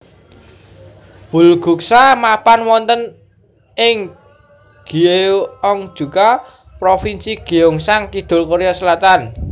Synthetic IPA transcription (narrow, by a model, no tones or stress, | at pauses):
b̥ṳlɡ̥ṳksamapanwɔnt̪ən | ɪŋ | ɡ̥ieɔŋd̥ʒ̥ṳka | pɾofinsiɡ̥iʊŋsaŋkid̪̥o̤lkoɾejɔsəlat̪an